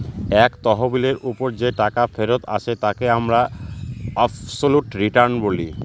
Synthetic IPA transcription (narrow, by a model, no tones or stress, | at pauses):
ɛkt̪ɔɦobileɾʔupoɾd͡ʑeʈakafʰeɾot̪ʰa̰ʃʰet̪akeamɾa | absoluʈɾiʈaɾnboli